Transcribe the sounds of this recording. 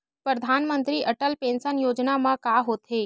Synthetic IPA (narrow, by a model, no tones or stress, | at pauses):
pɾəd̪ʱaːnmə̃nt̪ɾiʔɐʈəlpẽːnsənjoːd͡ʒnamãkaːɦoːt̪ɦeː